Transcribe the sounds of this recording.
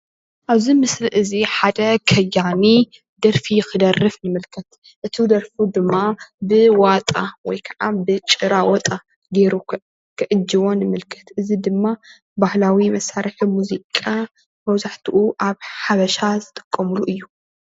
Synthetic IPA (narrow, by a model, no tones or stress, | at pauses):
ʔaβzimɨsliʔɨziħad̪ɐkʰɐjːani | d̪ɐɾfijɪxɨd̪ɐrːɨfnɨmɨlkʰɐt̪ | ʔɨt̪ʰid̪ɐɾfud̪ɨmːabɨwat̪ʼawɔjkʰɐʕabɨt͡ʃʼɨɾawɔt̪ʼa | ɡeɾu | kʰɨʕʔɨd͡ʒːiβo̞nɨmɨlkʰɐ̥t̪ʰʔɨzid̪ɨmːa | bahlawimɐsaɾɨħimuzikʼa | mɐwzaħt̪ʰuʔuʔaβħaβɐʃazɨt̪ʼɨ̥kʼːɐmuluʔɨjːu